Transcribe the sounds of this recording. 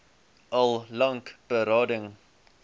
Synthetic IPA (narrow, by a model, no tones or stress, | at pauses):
ʔɐlˠlɐŋkb̥əɾɑːdəŋ